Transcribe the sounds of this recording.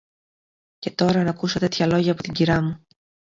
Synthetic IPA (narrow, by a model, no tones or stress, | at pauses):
ce̞t̪o̞ɾɐnɐkuso̞t̪e̞t̪çɐlo̞ʝɐːpot̪iɲɟiɾɐmu